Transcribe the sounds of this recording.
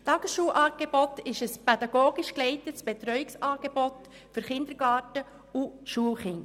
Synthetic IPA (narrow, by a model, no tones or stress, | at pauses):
tɑɡ̥əsʃuːlʔɑːɡ̥ebɔtɪʃəspɛdɑɡ̥oːɡɪʃklɛɪtətsb̥ɛt̪ɾœʏɪksɑːɡ̥ebɔt | fʏɾχɪnd̪əɾɡ̥ɑːtə | uʃuːəlχɪŋ